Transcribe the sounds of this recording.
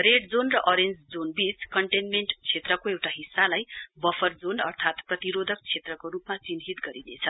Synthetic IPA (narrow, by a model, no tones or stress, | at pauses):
reɖd͡zonrʌʔʌɾend͡zd͡zonbit͡skʌɳʈenmeɳʈt͡sʰet̪rʌkoewʈaɦisːalajbʌfʰʌrd͡zonʌ̰rt̪ʰat̪prʌt̪iɾod̪ʱʌk̚t͡sʰet̪rʌkoɾupmat͡sinɦit̪ɡʌɾinet͡sʰʌ